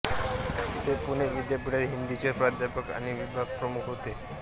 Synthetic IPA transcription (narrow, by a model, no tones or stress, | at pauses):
t̪epuɽ̃eʋid̪japiɽeɾɦind̪it͡ɕeɾpɾad̪ʱjapəka̰ñiʋibʱaɡ̚pɾəmukʰɦot̪e